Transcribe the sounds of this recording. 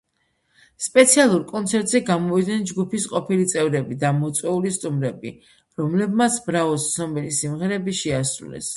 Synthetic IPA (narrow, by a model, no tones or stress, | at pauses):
spʼɛt̪sʰialˠuɾkʼɔnt̪sʰɛɾt̪ʼzɛɡamɔvid̪nɛnd͡ʒɡupʰisqʼɔpʰilit̪sʼɛvɾɛbid̪amɔt̪sʼwɛulist̪ʼumɾɛbḭ | ɾɔmlɛbmat̪sʰbɾavɔszɔmɛlisimʁɛɾɛbiʃɛasɾṵlɛ̰s